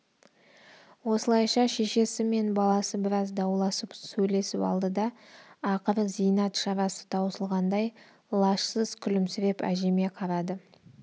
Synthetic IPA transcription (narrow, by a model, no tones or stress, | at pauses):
wo̞səlˠɑjʃɑʃe̞ʃe̞sɪme̞nbɑlˠɑsəbɪɾɑzd̪ɑwlˠɑsəpsɵjle̞sɪpɑ̰lˠd̪əd̪ɑː | qəɾəzijnɑt̪ʃɑɾɑsə̥t̪ʰɑwsəlˠʁɑnd̪ɑj | lˠɑʃsəz̥kʲʰʏlɪmsɪɾe̞pæ̰ʒe̞me̞qʰɑɾɑd̪ə